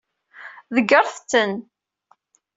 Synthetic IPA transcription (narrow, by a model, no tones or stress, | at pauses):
ðəɡəɾˤθt͡sːən